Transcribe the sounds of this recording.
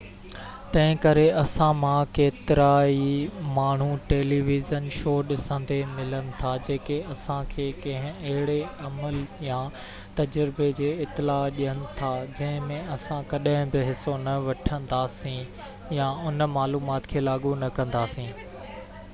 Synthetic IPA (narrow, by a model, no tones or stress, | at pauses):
t̪ɐ̃ɦɪ̃kɐɾeɐsãmãkeːt̪ɪɾaːimaːɳ̤uʈeːliːʋɪzənʃoːɗɪsə̃nd̪emɪlənɪ̆t̪ʰad͡ʑeːkeɐsãkʰeːkɐ̃ɦɪ̃ɐɦɪɽeɐməljã | t̪ɐd͡ʑɾɪbed͡ʑeːɪt̪ːɪlaːɗijənɪ̆t̪ʰad͡ʑɐ̃ɦɪ̃mẽɐsãkɐɗɦɪ̃bɪɦɪsonɐʋɐʈʰə̃n̆d̪aːsĩ | jaʊnmaːluːmaːt̪kʰeːlaːɠunɐkɐ̃nd̪aːsĩː